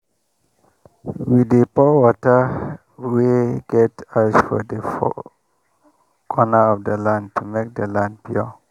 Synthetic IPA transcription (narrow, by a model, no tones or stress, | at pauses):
widəpɔwɔtə | weɡɛtasfɔ̰dəfɔ̰ | kʰɔnəɔfdəlãnd̚tʰumek̚dəlãnd̚pʰjuɔ